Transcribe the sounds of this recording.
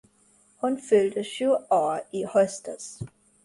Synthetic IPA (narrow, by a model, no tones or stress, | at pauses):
hunføld̥əɕuɒːihɔsd̥ɐs